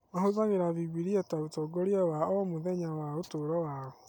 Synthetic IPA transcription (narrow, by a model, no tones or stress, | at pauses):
ɔɦozaɣiɾaviɡ͡biɾiɛtautɔɡɔɾiɛwaɔɔmuðɛɲawaotoɾɔwao